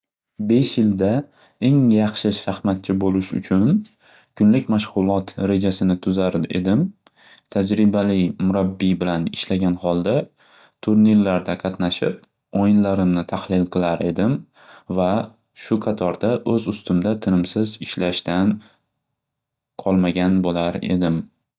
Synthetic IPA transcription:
be̞ʃjɪld̪a | e̞ŋjɑχʃɪʃahmat̪̚t͡ʃʰɪbolɪʃʊ̰t͡ʃʰʊn | kʰʊnlɪkʲmaʃʁʊlˠɒt̪ɾe̞d͡ʒasɪnɪt̪ʰʊzaɾḛd̪ɪm | t̪ʰad͡ʒɾɪbalɪjmʊɾabːibɪlanɪʃlaɡʲanhɒlˠd̪a | t̪ʰʊɾniɾlaɾd̪aqʰɑt̪naʃɪp̚ | ojɪnlaɾɪmnɪt̪ʰahlɪlˠqʰɨlˠaɾe̞̰d̪ɪm | va | ʃʊqʰɑt̪ʰɒɾd̪aʔɵzʊst̪ʊmd̪at̪ʰɪnɪmsɪzɪʃlaʃt̪an | qʰɒlˠmaɡʲanbolaɾe̞̰d̪ɪm

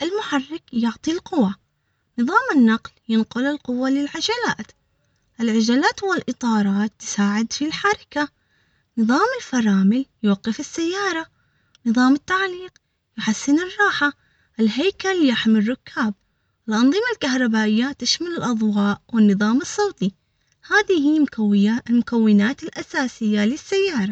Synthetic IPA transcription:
ʔɪlmʊħarːɪkjʊʕt̪ˤilqʊwa | nɨðˤɑːmɪnːaqljɪnqʊlɪlqʊwːalɪlʕad͡ʒalaːt̪ | ʔɪlʕɪd͡ʒalaːt̪wɪlʔɨt̪ˤɑːɾˤɑːt̪ːɪ̥saːʕɪd̪filħaɾˤɪka | nɨðˤɑːmɪlfɑɾˤɑːmɪljwaqːɪfɪsːajːɑːɾˤɑ | nɨðˤɑːmɪt̪ːaʕliːq | jʊħasːɪnɪrˤːɑːħa | ʔɪlɦajkaljaħmɪrˤːʊkʰːaːb̚ | ɪlʔɑnðˤɨmalkahɾˤɑbaːʔɪjːat̪ɪʃmalɪlʔɑðˤwɑːʔwɪnːɨðˤɑːmɨsˤːɑːt̪i | haːðihiː | lmʊkawːɪnaːt̪ɪlʔasaːsɪjːalɪsːajːɑːɾˤɑ

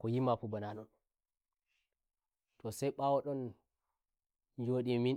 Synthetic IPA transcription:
kɔjimafubananɔn | tʰɔsɛjɓawɔɗɔn | d͡ʒoɗimin

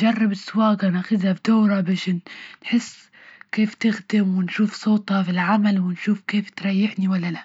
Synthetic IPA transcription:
d͡ʒɑrˤːɪbɪsːwaːɡanaxɪd̪habd̪oːɾˤɑbaːʃnːħɪsː | keːft̪ɪxd̪ɪmwɪnʃuːfsˤoːt̪ˤhɑfilʕamalwɪnʃuːfkeːft̪ɾˤɑjːɪħniwalːala

